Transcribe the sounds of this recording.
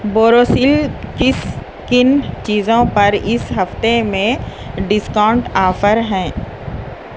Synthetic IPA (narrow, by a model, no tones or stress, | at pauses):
boːɾoːsiːlkɪs | kɪnt͡ʃiːzõpɐɾɪsɦɐft̪emẽ | ɖɪskaʊ̃ɳʈaːfəɾɦɛ̃ː